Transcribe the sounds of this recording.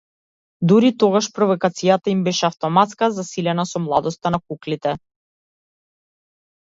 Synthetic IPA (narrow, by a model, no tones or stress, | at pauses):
d̪uɾit̪ɔɡaʃpɾɔvɔkat̪sijat̪aimbɛʃɛaft̪ɔmat̪skazasilɛnasɔmlˠad̪ɔst̪anakuklit̪ɛ